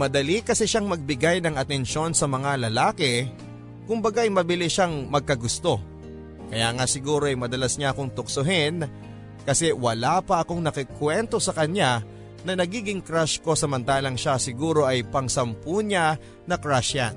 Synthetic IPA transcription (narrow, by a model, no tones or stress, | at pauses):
mɐd̪ɐlikɐsɛʃaŋmɐɡ̚bɪɡajnɐŋɐt̪ɛnʃo̞nsɐmɐŋalɐlaːkɛ | kʊmbɐɡaɐjmɐbɪlɪʃaŋmɐɡ̚kɐɡʊst̪o̞ | kɐjaːŋasɪɡuːɾo̞ʔɐjmɐd̪ɐlasɲaɐkoŋt̪ʊk̚soɦɪn | kɐsɛwɐlapɐʔɐkoŋnɐkɪkwɛnt̪o̞sɐkɐɲa | nɐnɐɡiːɡɪŋkɾaʃko̞sɐmɐnt̪aːlɐŋʃasɪɡuːɾo̞ʔɐjpɐŋsɐmpuɲa | nɐkɾaʃɐ̰n